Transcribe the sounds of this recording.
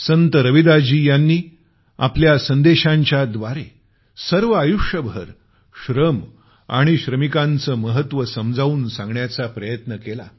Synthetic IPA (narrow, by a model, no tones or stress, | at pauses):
sənt̪əɾəʋid̪ad͡ʑiːjanːiː | a̰pljasənd̪eɕãɲt͡ɕjad̪ʋaɾe | səɾʋəajuʂjəbʱə̰ɾ | ɕɾəm | a̰ɽ̃iɕɾəmikant͡səːməɦət̪ʋəsəmd͡zʱauːnsãŋɡɳjat͡sapɾəjət̪nəkela̰